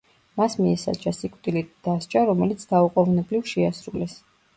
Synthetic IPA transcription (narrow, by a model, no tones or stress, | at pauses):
masmiɛsa̰t͡ʃasikʼt̪ʼilid̪̥ast͡ʃʼaɾɔmɛlit̪sʰd̪auqʼɔvnɛblivʃɛasɾulɛs